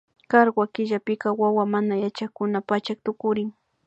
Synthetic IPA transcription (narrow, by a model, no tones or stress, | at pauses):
kaɾwwakɪʒapɪkɑwawamanajat͡ʃakʊnapat͡ʃak̚t̪ʊkʊɾɪŋ